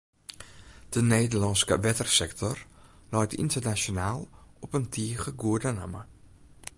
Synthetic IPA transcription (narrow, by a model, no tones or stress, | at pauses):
d̥əneːdərlɔnskə̰ʋɛtərsɛktʰɔrlɔjtḭntərnasjonaːlˠɔpəntʰiəɣəɡuədəna̰mə̰